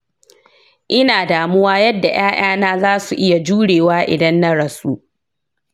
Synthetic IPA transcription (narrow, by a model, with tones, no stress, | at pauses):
ʔɪ˦naː˨daː˨mʊ˦waː˦jɐ˦dːa˨j̰aː˦j̰aː˦naː˦zaː˦su˨ʔɪ˦ja˨d͡ʒuː˦ɽeː˨waː˦ʔɪ̰˨dɐ˦nːa˦ɽɐ˨su˦ʔ